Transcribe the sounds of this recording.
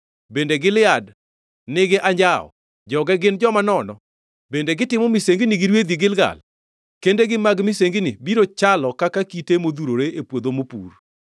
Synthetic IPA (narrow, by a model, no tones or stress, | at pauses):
bendeɡɪlɪad | nɪɡɪʔaɲd͡ʒaɔ̰ | d͡ʒɔɡɛɡɪnd͡ʒɔmanɔnɔ̰ | bendeɡɪtɪmɔmɪseŋɡinɪɡɪɾwed̪iɡɪlɡa̰l | kendeɡɪmaɡmɪseŋɡinɪbiɾot͡ʃalɔkakakitemod̪uɾoɾeʔepwod̪omopṵr